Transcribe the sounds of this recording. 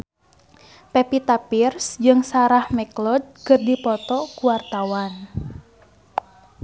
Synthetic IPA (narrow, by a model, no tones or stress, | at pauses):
pepit̪apirsd͡ʒɨŋsaɾahmɛklɔd̪̚kɨrdipɔt̪ɔkuwart̪awan